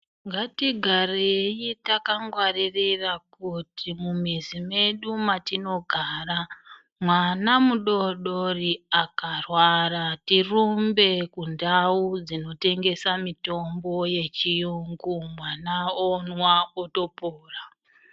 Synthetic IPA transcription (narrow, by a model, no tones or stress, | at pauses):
ŋɡatiɡʱarejitakaŋɡwaririrakutʰimumizime̞ɗumatino̞ɡʱaːra | mwanamuɗo̞ɗoriakarwaratirumbe̞kundaud͡zino̞te̞ŋɡe̞samito̞mbo̞je̞t͡ʃijuŋɡumwanaonwaoto̞poːra